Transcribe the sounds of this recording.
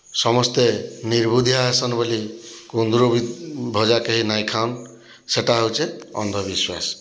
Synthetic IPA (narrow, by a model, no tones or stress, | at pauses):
sʌmʌst̪eniɾbud̪ʱjaɦesʌnbʌlikond̪ɾobibʱɔd͡ʒakeɦinajkʰawn | seʈaɦowt͡ʃeʌ̰nd̪ʱʌbiswa̰s